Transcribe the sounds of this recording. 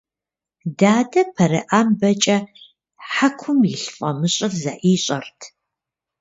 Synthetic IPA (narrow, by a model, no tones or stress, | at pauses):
daːdɐpʰɐɾɨ̰ʔaːmbɐt͡ʃʼɐ | ħakʷʰʊmjɪɬfʼɐmɨɕʼɪrzaʔiːɕʼɐrtʰ